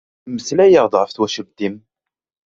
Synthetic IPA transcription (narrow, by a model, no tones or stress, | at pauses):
məslæjəʁd̪ˤʁəfθwæʃəlt̪im